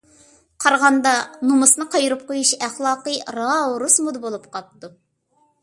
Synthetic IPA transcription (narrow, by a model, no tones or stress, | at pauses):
qʰɑɾʁɑnd̪ɑnumɨsnɨqʰɑjɾɨp̚qojuʃæχlˠɑːqəɾɑɾusmud̪ɨbolˠupqʰɑp̚t̪u